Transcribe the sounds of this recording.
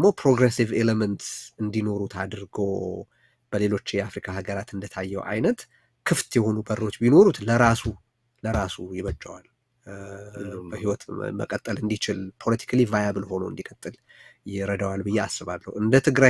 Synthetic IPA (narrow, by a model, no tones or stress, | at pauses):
mo̞pʰɾoɡɾesiveləmənt̪ɨnd̪ino̞ɾut̪ʰad̪ɨɾɡo | b̥əle̞lo̞t͡ʃːɪjɛafɾikʰaɦaɡəɾat̪ɨnd̪ət̪ʰajːɛwʔa̰jnət̪ | kʰɨft̪jɛho̞nubəro̞t͡ʃːbino̞ɾut̪ləɾasu | ləɾasujɪβət͡ʃʼːawal | əhiwɔt̪mə̰kʼət̪ʼːəlɨnd̪it͡ʃɪlpʰo̞lət̪ʰi̥kʰlivajabɨlho̞noɨnd̪ikʼət̪ʼːɨljɪɾəd̪awalbɨjːeasːɨβalːə̰hwɨnd̪ət̪ʰɨɡɾa